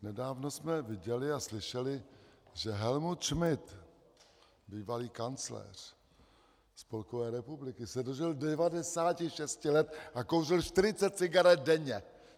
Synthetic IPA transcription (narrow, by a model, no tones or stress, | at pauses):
nɛdaːvno̞smɛvɪɟɛlɪaslɪʃɛlɪʒɛɦɛlmut̪ʃmɪt̪ | biːvaliːkant͡slɛ̰ːr̝̥ | spo̞lkovɛːɾɛpublɪkɪsɛdo̞ʒɪldɛvadɛsaːcɪʃɛscɪlɛt̪akowrɪlʃt̪ɪɾɪt͡sɛt̪̚t͡sɪɡaɾɛt̪̚dɛɲɛ